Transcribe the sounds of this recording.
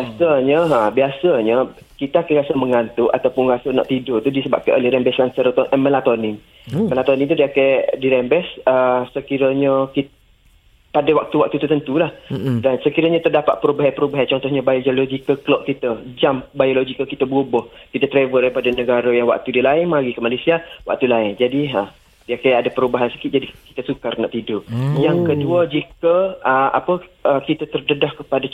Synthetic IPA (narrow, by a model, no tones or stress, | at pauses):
biasəɲəɦãbiasəɲə | kit̪əakaɾasəməŋant̪ʊʔat̪awpʊnɾasəna̰ʔt̪idot̪udisəba̰p̚ka̰nʔo̰lɪhɾɛmbɛsansəɾət̪ɔnʔɛməlat̪onɪŋ | məlat̪onɪŋt̪udiakajdiɾɛmbɛsəsəkiɾəɲəkit̪ | padəwak̚t̪uwak̚t̪ut̪ərt̪ənt̪ulahdansəkiɾəɲət̪ərdapa̰t̪̚pəɾubaɦanpəɾubaɦant͡ʃɔnt̪ɔhɲabajd͡ʒiolod͡ʒikəklɔʔkit̪əd͡ʒambajoloɡikəlkit̪əbəɡobɔhkit̪ət̪ɾevərdaipadanəɡaɾəjaŋwa̰k̚t̪udilaɪnmaɡikəmalesiawa̰k̚t̪ulaɪnd͡ʒadiə | diakajaʔadapəɾubaɦansi̥kit̪̚d͡ʒadiki̥t̪əsukarnaʔt̪idujaŋkəduəd͡ʒikəəa̰pəəkit̪ət̪ərdədahkəpada